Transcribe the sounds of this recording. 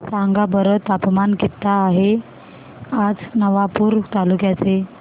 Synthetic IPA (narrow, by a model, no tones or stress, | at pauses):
saŋɡabəɾət̪apmankit̪ːaːɦe | ad͡znəʋapuːɾt̪alukjat͡se